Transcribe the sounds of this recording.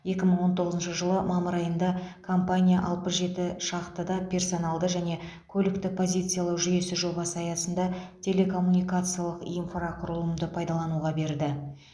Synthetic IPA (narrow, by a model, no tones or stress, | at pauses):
je̞kʲɪməɴwo̞nt̪ʰo̞ʁəzənʃəʒəlˠəmɑməɾɑjənd̪ɑkʰompanʲijaʔɑlˠpəsʒe̞t̪ɪʃɑqt̪əd̪ɑpʰʲe̞rso̞nɑlˠd̪əʒæne̞ | kʲʰɵlɪkt̪ɪpʰo̞zijt̪sɨjalˠɑwʒʏje̞sɪʒo̞bɑsəɑjɑsənd̪ɑt̪ʲʰe̞le̞kʰo̞mːunijkat̪sɨjalˠəqijnfraqʰʊɾəlˠəmd̪əpʰɑjd̪ɑlˠɑnuʁɑbe̞ɾd̪ɪ